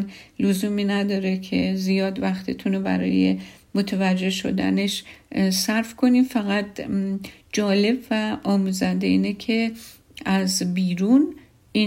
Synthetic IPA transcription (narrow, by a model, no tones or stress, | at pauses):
nlozuːmiːnæd̪ɒːɾecʰe̞zijɒːd̪væxt̪ʰit̪ʰunobæ̰ɾɒ̰ːje̞̰ | mot̪ʰevæd͡ʒːe̞hʃo̰d̪æ̰neʃsæɾfkʰo̞nimfæɣæt̪ | d͡ʒɒːle̞bvæʔɒːmuzænd̪eiːnecʰe | æzbiːɾun | i